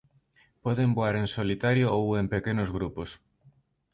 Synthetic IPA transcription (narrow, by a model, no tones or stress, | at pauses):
pɔðemboaɾensolit̪aɾjoowempekenozɣɾupos